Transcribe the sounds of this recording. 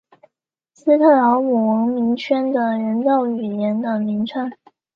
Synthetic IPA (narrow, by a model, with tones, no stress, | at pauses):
sɹ̩˥t̪ʰə˥˩lɑ˧˥ʊmu˨˩wɤ˧˥ŋmi˧˥ŋt͡ɕʰɥɛ˥nd̪ə˨ɻə˧˥nt̪ɑ˥˩ʊy˨˩jɛ˧˥nd̪ə˨˩ŋmi˧˥ŋʈ͡ʂʰa˥˩n